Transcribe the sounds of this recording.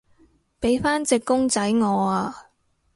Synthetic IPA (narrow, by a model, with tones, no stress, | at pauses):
pe˨˥jfaː˥nt͡sɪ˨kːʊ˥ŋt͡sɐ˨˥jŋɔː˨˧aː˧